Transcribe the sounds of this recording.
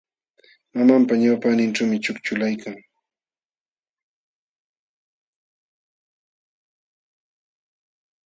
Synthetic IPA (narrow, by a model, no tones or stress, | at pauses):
mamampaɲawpanɪnʈ͡ʂawmɪt͡ʃʊkt͡ʃʊlajkʰaŋ